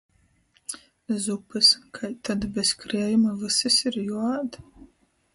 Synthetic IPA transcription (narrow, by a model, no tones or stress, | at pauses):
zupʰɨskʰajt̪ʰːad̪bɛskʰɾeɛjumɐvɨsɨsiɾjuad̪